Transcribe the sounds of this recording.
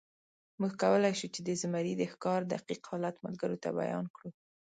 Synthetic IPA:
muɡkawəlajʃut͡ʃed̪əzɪmaɾid̪əxkɑɾd̪aqiqhɑlat̪ma̰lɡaɾot̪a̰ba̰jɑ̰nkɽu

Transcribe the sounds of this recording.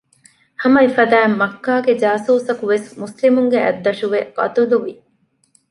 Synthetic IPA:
hɐmɐifɐd̪æːmːɐkːaːɡed͡ʒaːsuːsɐkuʋesmuslimuŋɡeʔæ̰d̪ːɐʃuʋeɡ̥ɐ̰t̪ud̪uʋi

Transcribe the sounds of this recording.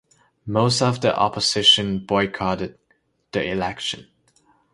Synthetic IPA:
moʊstʌvðiʔɑ̰pəz̥ɪʃɨ̃nbɔɪkʰɑɾɨd̪̚ | ðiɪlɛkʃɨ̃n

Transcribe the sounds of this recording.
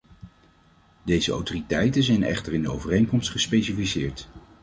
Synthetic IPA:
dejzəo̰wtoritɛjtənzɛjnɛ̰χtəɹɪndəo̰wvərejnkɔmstχəspejsifisɪːɹt

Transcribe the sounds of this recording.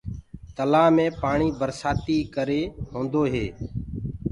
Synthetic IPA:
t̪əlaːmẽːpaːɳiːbəɾsaːt̪iːkəɾeːɦõːnd̪oːɦeː

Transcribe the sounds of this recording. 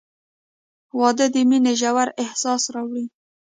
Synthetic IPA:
wɑd̪əd̪əmineʒawaɾɪhsɑsɾɑwɽi

